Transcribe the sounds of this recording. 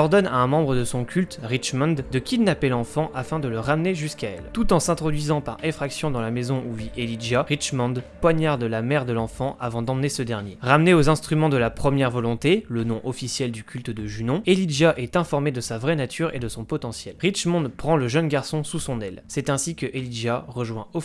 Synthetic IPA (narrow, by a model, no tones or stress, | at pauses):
ɔʁd̪ɔna̰ɛ̃mɑ̃bʁəd̪əsɔ̃kʲʰylt̪ʁit͡ʃmɑ̃d̪d̪əkʲid̪napɛlɑ̃fɑ̃ʔafɛ̃d̪ələʁamneʒyskaɛ̰lt̪ut̪ɑ̃sɛ̃t̪χɔd̪ɥizɑ̃paʁɛ̃fχaksjɔ̃d̪ɑ̃lamezɔ̃uviʔeliʒaʁiʃmɑ̃d̪pwaɲaʁd̪əlamɛʁd̪əlɑ̃fɑ̃avɑ̃d̪ɑ̃mnesəd̪ɛʁnjeʁamneozɛ̃st̪χymɑ̃d̪əlapχəmjɛʁvɔlɔ̃t̪elənɔ̃ʔɔfisjɛld̪ykʲylt̪əd̪əʒynɔ̃eliʒaʔɛt̪ɛ̃fɔʁmed̪əsavʁɛnat̪ʰyʁḛd̪əsɔ̃pɔt̪ɑ̃sjɛlʁit͡ʃmɑ̃d̪pχɑ̃ləʒənɡaʁsɔ̃susɔ̃nɛlsɛt̪ɛ̃sikəʔeliʒaʁəʒwɛ̃ɔ